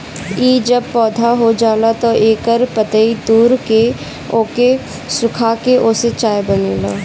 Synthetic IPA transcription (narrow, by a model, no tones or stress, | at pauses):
iːd͡ʒɐb̚pɔːd̪ʱaɦod͡ʒaːlat̪oʔeːkəɾpət̪əid̪uːɾke | oːke | sʊkʰakeʔoːset͡ʃaːjbɐneːlaː